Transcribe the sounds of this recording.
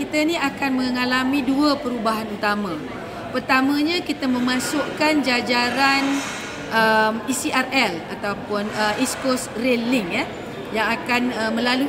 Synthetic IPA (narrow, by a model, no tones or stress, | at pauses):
kit̪ənĩakanməŋalamĩduəpəɾubaɦanut̪amã | pərt̪amə̃ɲãkit̪əmə̃mãsʊʔkand͡ʒad͡ʒaɾan | ʔəmisiʔarɛla̰t̪aupʊnəʔiskosreliŋja | jaŋakanəmə̃lalu